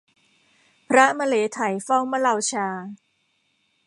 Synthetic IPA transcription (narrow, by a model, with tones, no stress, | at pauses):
pʰɾa˦˥ma˧leː˩˦t̪ʰa˨˩˦jfa˥˩wma˦˥la˧wt͡ɕʰaː˧